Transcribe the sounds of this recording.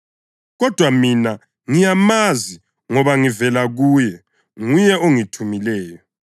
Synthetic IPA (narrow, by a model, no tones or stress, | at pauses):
ɣɔd̥ʱwamina | ŋijamazi | ŋɔβaŋivɛlaɣuːjɛ | ŋujɛoŋitʰumilɛːjɔ